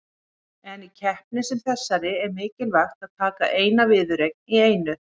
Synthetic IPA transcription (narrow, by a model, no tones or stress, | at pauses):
ɛnicʰɛhpnɪsɪmθɛsːaɾɪɛɾmɪːcɪlvajxt̪aðt̪ʰaːka̰ʔeːjnavɪːðʏɾejk̚nieːjnʏ